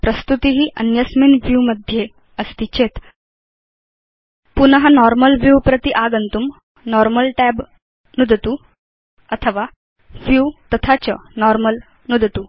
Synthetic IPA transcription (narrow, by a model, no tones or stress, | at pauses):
pɾəst̪ut̪iɦiːʔənjəsminʋjuməd̪ʱje | əst̪it͡ɕet̪ | punəɦanɔɾməlʋjuːpɾət̪iʔaɡənt̪um | nɔɾməlʈɛb | nud̪ət̪u | ət̪ʰəʋa | ʋjut̪ət̪ʰat͡ɕənɔɾməl | nud̪t̪u